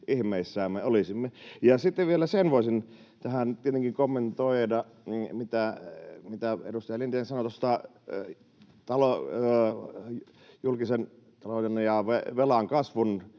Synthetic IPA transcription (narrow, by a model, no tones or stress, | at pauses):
ihmeˑisːæːmːeolisimːejɑsit̪ːeʋʋielæsenʋoɑsʲin | t̪æhænt̪iet̪eŋkiŋkomːent̪oidɑ | mit̪æmit̪æḛdust̪ɑjɑlint̪ensɑnot̪ost̪ɑ | t̪ɑlo | julkisen | t̪ɑlojenjɑʋeʋelɑŋkɑsʋun